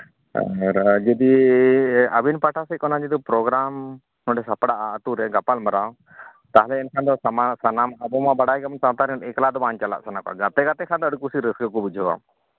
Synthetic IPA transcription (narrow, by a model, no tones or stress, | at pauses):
a̰ɾd͡ʒɛd̪i | ə̰binpaʈʰasɛkɔnãd͡ʒid̪upɾɔɡɾam | nɔɖɛsapɽaʔaət̪uɾɛɡapalməɾaw | t̪aɦlɛɛnkʰand̪ɔamasanamabɔmabaɽajkaɔnsawt̪aɾɛɖɛklad̪ɔbaɲt͡ʃala̰ʔsanakɔa̰ɡat̪ɛɡat̪ɛkʰand̪ɔəɖkusiɾəsɡəkubud͡ʒʱɔwa̰m